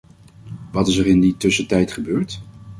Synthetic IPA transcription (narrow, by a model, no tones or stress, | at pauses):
ʋɑtɪsərɪnditɵsətɛjtχəbøːɹt